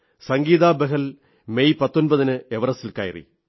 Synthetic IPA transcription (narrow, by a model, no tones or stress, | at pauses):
sɐŋɡiːðaːbeɦɐl | mejpɐt̪ːonbɐðinɨeʋɐrɐsilka̰ːjirḭ